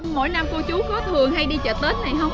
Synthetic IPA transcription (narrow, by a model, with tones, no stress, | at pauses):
mo̰˧˥˨jna˧mku˧t͡ɕu˨˦kɔ˨˦t̪ʰɨ˨˩əŋha˧jɗi˧t͡ɕə̰ː˧˨˩t̚t̪əː˨˦˥n̚nːa˨˩jɦə˧wŋ͡m